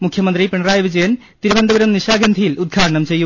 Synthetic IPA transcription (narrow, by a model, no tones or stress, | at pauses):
mukʰjɐmɐnd̪ripiɳɐraːjɐʋid͡ʑɐjɐn | t̪iɾubɐnd̪ɐbɐɾɐmniɕaːɡɾɐnd̪ʱijilud̪̚ɡʰʱaːʈɐɳɐmt͡ɕe̞jːu